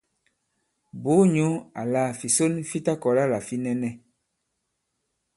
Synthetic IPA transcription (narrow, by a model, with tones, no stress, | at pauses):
bo˨˦ɲu˦a̰˨la˦˨fi˨so˦nfi˦ta˦kɔ˨la˦la˨fi˦nɛ˦nɛ˦